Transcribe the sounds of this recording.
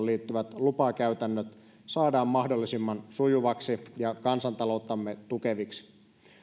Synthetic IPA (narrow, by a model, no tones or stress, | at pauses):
liːt̪ːyʋæt̪lupɑkæyt̪ænːøt̪ | sɑːdɑːmmɑhdo̞lːisimːɑnsujuʋɑksijɑkɑnsɑnt̪ɑlo̞ut̪ːˑɑmːet̪ukeʋiksi̥